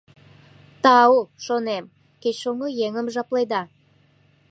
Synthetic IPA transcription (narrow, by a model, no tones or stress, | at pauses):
t̪ɑwʃonem | kʲejʃoŋojeŋəmʒɑplˠɑjd̪ɑ